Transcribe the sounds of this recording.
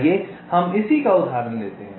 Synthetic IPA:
je | hɐmɪsikaʊd̪ʱaːɾənlḛːt̪eɦɛ̃

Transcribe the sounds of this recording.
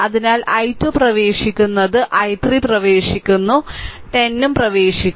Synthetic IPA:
ɐðinaːlɐjtːuprɐʋe̞ːʂikʲːunːɐðɨʔɐjt̪riprɐʋe̞ːʂikʲːunːuʈenːumprɐʋe̞ːʂikʲː

